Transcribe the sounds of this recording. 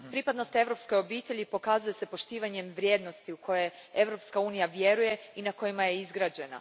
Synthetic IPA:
pɾipad̪no̞st̪e̞ʋɾo̞pskojo̞biːt̪e̞ʎipo̞kazuje̞se̞po̞ʃt̪iːʋaɲe̞mʋɾʲje̞ːd̪no̞st̪iuko̞je̞e̞ʋɾo̞pskauːnijaʋje̞ɾuje̞inako̞jimaje̞izɡɾaːd͡ʑe̞na̰

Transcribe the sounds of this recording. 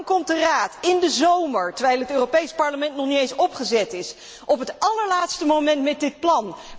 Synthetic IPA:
ŋkɔmtdəraːtɪndəzowməɹtəɹʋɛjlˠɦətøːrowpejspɑɹləmɛntnɔχniejnsɔpχəzɛtɪs | ʔɔpɦətʔɑləɹlaːtstəmowmɛntmɛt̚dɪt̚plɑn

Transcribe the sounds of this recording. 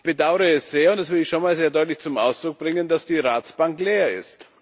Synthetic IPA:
b̥ədaʊəʁəɛsz̥eːɐʊntd̥ɛsv̥ɪɐɪçʃonmaːlzeːɐdɔʏtlɪçt͡sʊmʔa̰ʊsd̥ʁʊk̚b̥ʁɪŋənd̥asd̥iːʁaːt͡sb̥aŋkleːɐɪ̰st

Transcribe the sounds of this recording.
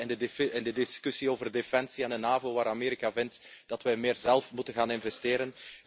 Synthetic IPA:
ɛndəɛndədɪskysioːvərdefɛnsiaːndənaːvoːʋaːɾameːɾikavɪntd̥ɑtʋɛjmɪːrzɛlˠfmutənɣaːnɪnvɛstɪːɾən

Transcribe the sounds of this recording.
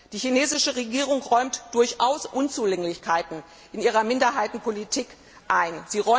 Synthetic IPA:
d̥iːçineːzɪʃəʁeɡiːʁ̞ʊŋʁɔʏmtd̥ʊɐçʔaʊsʔʊnt͡suːlɛŋlɪçkʰaɪtn̩ | ʔɪniːʁ̞ɐmɪndɐɦaɪtn̩pʰolitʰiːk | ʔaɪnziːʁɔ

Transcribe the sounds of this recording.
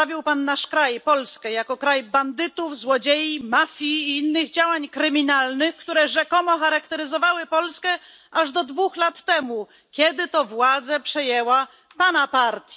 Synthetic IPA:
avʲiwpanːaʂkɾajpɔlskɛjakɔkɾajband̪ɘt̪uvzwɔd͡ʑejimafʲjiːinːɘɣd͡ʑawaɲkɾɘmʲinalnɘxkt̪uɾɛʐɛkɔmɔxaɾakt̪ɛɾɘzɔvawɘpɔlskɛ | aʐd̪ɔd̪vuxlat̪ːɛmu | kʲjɛd̪ɘt̪ɔvwad̪zɛpʂɛjɛwa | panapaɾt̪ʲi

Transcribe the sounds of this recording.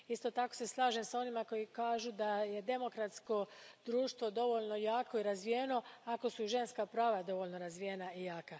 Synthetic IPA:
ist̪o̞t̪ako̞̥se̞slˠaːʒemsao̞nimako̞jikaːʒud̪aje̞d̪e̞mo̞kɾat̪sko̞d̪ɾuːʃt̪ʋod̪o̞ʋo̞ʎno̞jaːko̞iɾazʋijeno̞ako̞suʒe̞nskapɾaːʋad̪o̞ʋo̞lʲno̞ɾazʋije̞naijaːka

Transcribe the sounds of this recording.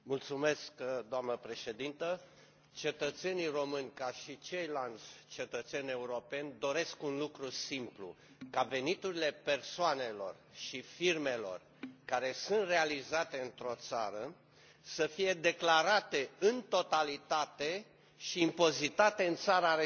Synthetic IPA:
mult̪sume̞skd̪oamnəpɾe̞ʃe̞d̪int̪ə | t͡ʃe̞t̪ət̪se̞niro̞mɨnʲkaʃit͡ʃejland̪zʲt͡ʃe̞t̪ət̪senʲe̞uɾo̞pe̞nʲd̪o̞ɾe̞skunlukɾusimplṵ | kave̞nit̪uɾile̞pe̞rsoane̞lo̞̰r | ʃifirme̞lo̞̰r | kaɾe̞sunt̪re̞alizat̪e̞ɨnt̪ɾo̞t̪saɾə | səfije̞d̪e̞klaɾat̪e̞ɨnt̪o̞t̪alit̪at̪e̞ | ʃiːmpo̞zit̪at̪e̞ɨnt̪saɾaɾe

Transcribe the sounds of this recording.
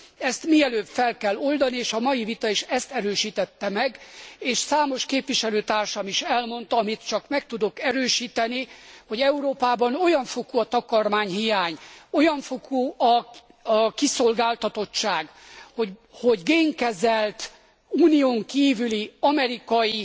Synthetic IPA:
ɛst̪miɛløːbfɛlkɛlːo̞ld̪ɒnieːʃɒmɒjivit̪ɒiʃɛst̪ɛɾøːʃiːt̪ɛt̪ːɛmɛɡeːʃsaːmo̞ʃkeːpʋiʃɛløːt̪aːrʃɒmiʃɛlmo̞n̪t̪ɒɒmit̪t͡ʃɒkmɛk̚t̪ud̪o̞kɛɾøːʃiːt̪ɛniho̞ɟɛuɾoːpaːbɒno̞jɒɱfo̞kuɒt̪ɒkɒrmaːɲɦijaːɲo̞jɒɱfokuɒ | kiso̞lɡaːlt̪ɒt̪o̞t͡ʃːaːɡhoho̞ɟɡeːŋkɛzɛlt̪ | uːnijoːŋkiːvyliɒmɛɾikɒji

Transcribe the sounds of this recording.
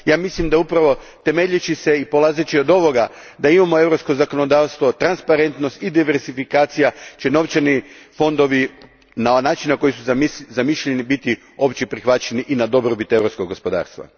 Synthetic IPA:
jaːmislimd̪aupɾaʋo̞t̪e̞meʎit͡ʃise̞ipo̞lˠazet͡ɕio̞d̪o̞ʋo̞ɡa | d̪aimamo̞e̞ʋɾo̞psko̞zako̞no̞d̪aːʋst̪ʋo̞t̪ɾanspaɾe̞nt̪no̞st̪id̪iʋeɾzifikaːt̪sijat͡ʃe̞no̞ʋt͡ɕenifo̞nd̪o̞ʋi | nanaːt͡ʃinnako̞jisuzzamiʃʎenibit̪i | o̞pt͡ɕepɾixʋat͡ɕt͡ʃe̞niʔinad̪o̞bɾobit̪e̞ʋɾo̞psko̞ɡo̞spo̞d̪a̰ːɾst̪ʋa̰

